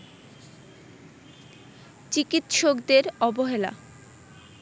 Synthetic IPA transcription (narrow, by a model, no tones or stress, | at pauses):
t͡ɕikit̪ʃokd̪eɾɔboɦela̰